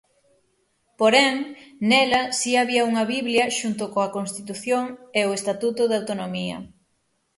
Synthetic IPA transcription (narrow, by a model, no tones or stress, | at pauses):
poɾɛŋnɛlɐsiaβiɐuŋɐβiβljɐʃunt̪ʊkoɐkonst̪it̪uθjoŋeʊest̪at̪ut̪ʊðawt̪onomiɐ̰